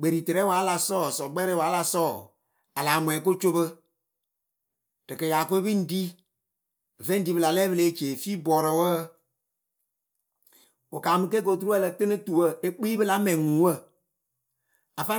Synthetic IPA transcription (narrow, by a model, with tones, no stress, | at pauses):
ɡ͡be˨ɾi˨te˨ɾɛ˨˦waː˨˦la˧sɔː˦˨sɔ˨ɡ͡bɛ˦ɾɛ˦waː˨˦la˧sɔː˦˨ | a˨laː˨mwɛ˨˦k̬o˦t͡ʃo˦bə˦ | d̥ɨ˨kə˨ja˨ko˦e˦bi˦n̩˦di˦˨ | vɛ̃˦n˦di˨˦bɨ˧la˨lɛː˦bə˧le˨˦t͡ʃeː˨fiː˦bɔː˨ɾɔ˨˦wə˦ | o˨kaː˨mɨ˧ke˦ko˨t̬u˦ɾu˦ɛ˦lə˧tɨ˦nɨ˦tu˨wə˦˨e˦k͡piː˦bɨ˦la˨˦mɛ̃˨ŋũ˨˦wə˦˨ | a˨fa˦